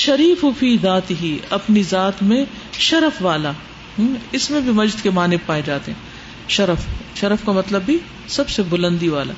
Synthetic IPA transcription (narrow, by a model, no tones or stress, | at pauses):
ʃɐɾiːfʊfiːðaːt̪ɪɦiɐpnizaːt̪mẽ | ʃɐɾəfʋaːla | ɦɪsmẽbʱimɐd͡ʒd̪kemaːnepaːed͡ʒaːt̪eɦɛ̃ː | ʃɐɾəfʃɐɾəfkamɐt̪ləbːʱi | sɐbsebʊlə̃nd̪iʋaːla̰ː